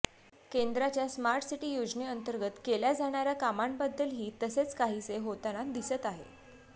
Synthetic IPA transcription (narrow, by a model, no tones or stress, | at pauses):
kend̪ɾat͡ɕjasmaɾʈsiʈiːjod͡zneənt̪əɾɡət̪keljad͡zaɽ̃aɾjakamaɳbəd̪ːəlɦiːt̪əset͡skaɦit͡seɦot̪anad̪isət̪aɦḛ